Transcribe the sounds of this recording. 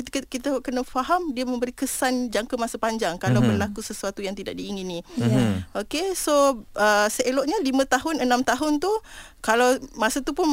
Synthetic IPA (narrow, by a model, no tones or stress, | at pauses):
t̪kkit̪əʔkənəfaɦamdiəmə̃mbəɾikəsand͡ʒaŋkamasapaɲd͡ʒaŋkalawbərlakusəsuat̪ujaŋt̪idaʔ̚diːŋinĩ | okesoʔəsəelɔʔɲalimə̃t̪aɦʊnənãmt̪aɦʊnt̪u | kalawmãsat̪upʊn